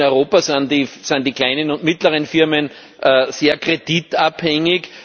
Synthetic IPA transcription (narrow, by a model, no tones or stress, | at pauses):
ɔʏʁoːpɐsandisand̥iːkl̥aɪnənʊ̃ntmɪtləʁ̞ənfɪɐmən | ʔəseːɐkʁ̥ed̥itaphɛŋɪk